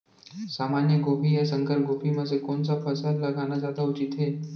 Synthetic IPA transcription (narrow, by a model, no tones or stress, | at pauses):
saːmanjəɡoːpijasə̃ŋkəɾp̚ɡoːpimə̃sekoːnsapəsəd̪lɐɡanazjaːd̪aʊt͡ʃɪt̪ɦeː